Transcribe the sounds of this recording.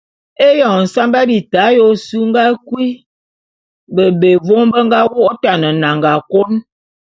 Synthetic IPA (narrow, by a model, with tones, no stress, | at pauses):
e˦jɔ˨ŋ˨n̩˨sa˦mba˦bi˨ta˨˦jo˦su˦ŋ˦ɡa˦kwi˦ | bə˨be˨vo˦mbə˦ŋ˦ɡa˦wo˦ta˨nə˨na˨ŋɡa˨ko˦n